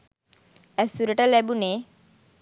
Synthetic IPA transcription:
ɛsuɾeʈalɛbune

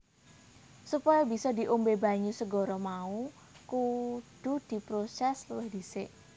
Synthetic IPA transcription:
supɔjɔbi̤sɔd̪i̤ʔombeba̤ɲusəɡɔɾɔmau | kud̪̥ṳd̪̥i̤pɾosɛslwɪhd̪̥isɪʔ

